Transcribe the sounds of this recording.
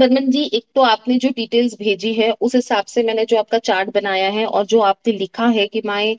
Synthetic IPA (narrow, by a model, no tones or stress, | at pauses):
bəɾmə̃nd͡ʒiːʔeːk̚t̪oaːpned͡ʒoːɖiːʈeːlzbʱeːd͡ʒiɦɛʔʊsɦɪsaːbsemɛːned͡ʒoːaːp̚kat͡ʃaːɾʈ̚bɐnaːjaɦɛʔɔ̰ːɾd͡ʒoːaːp̚nelɪkʰaɦɛkimaːẽ